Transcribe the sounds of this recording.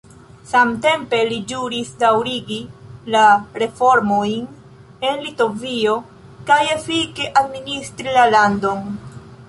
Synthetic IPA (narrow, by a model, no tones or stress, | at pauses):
samte̞mpe̞lid͡ʒuɾisdawɾiɡilaɾe̞fo̞ɾmo̞jn | e̞nlito̞vio̞ | kaje̞fikeʔadministɾilalando̞n